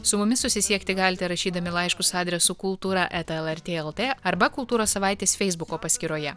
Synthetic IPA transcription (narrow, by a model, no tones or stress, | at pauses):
sʊmʊmʲɪsʊsʲɪsʲiɛkt̪ʲɪɡɑːlʲɪt̪ʲɛɾɐʃʲiːd̪ɐmʲɪlˠɐɪʃkʊsɑːd̪ʲɾʲɛsukʊlˠt̪uːɾɑʔɛt̪ɛlˠɛɾʲt̪ʲeːɛlˠt̪ʲeːɐɾbɐkʊlˠt̪uːɾoːssɐʋɑˑɪt̪ʲeːsfʲɛɪzbʊkoːpɐsʲkʲɪɾoːjɛ